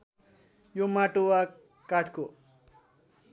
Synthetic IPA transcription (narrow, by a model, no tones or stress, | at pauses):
jomaʈowa | kaʈʰko